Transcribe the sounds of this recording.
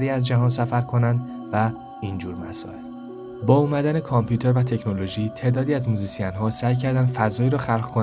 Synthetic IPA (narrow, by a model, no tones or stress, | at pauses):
ɾiːæzd͡ʒæɦɒːns̬æfæɾkʰo̞nænd̪ | væ | ind͡ʒuːɾmæsɒ̰ːel | bɒːumæd̪æne̞kʰɒmpʰjuːt̪ʰe̞ɾvæt̪ʰe̞cʰno̞lo̞ʒiːt̪ʰe̞d̪ɒːd̪iːæzmuːzisijænɦɒːsæjcʰæɾd̪ænd̪fæzɒːiːɾɒːxælʁkʰo